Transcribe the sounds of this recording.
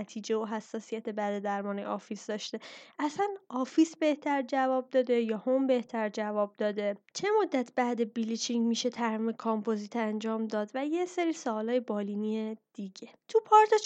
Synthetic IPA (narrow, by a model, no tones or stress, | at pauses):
t̪ʰiːd͡ʒe̞oɦæsːɒːsijæt̪ʰe̞bæd̪e̞d̪æɾmɒːnejɒːfisd̪ɒʃt̪e̞ʔæsænɒːfisbe̞ht̪ʰæɾd͡ʒævɒːb̚d̪ɒːd̪e̞jɒːhombe̞ht̪ʰæɾd͡ʒævɒːb̚d̪ɒːd̪e̞t͡ʃʰe̞mo̞d̪ːæt̪ʰb̥æʔd̪e̞bilit͡ʃʰiŋmiːʃe̞t̪ʰæɾmiːmekʰɒmpʰozit̪ʰænd͡ʒɒːmd̪ɒːd̪væje̞seɾiːsoːlɒːje̞bɒːliniːed̪̥iɟe̞t̪ʰupʰɒɾt̪ʰɒ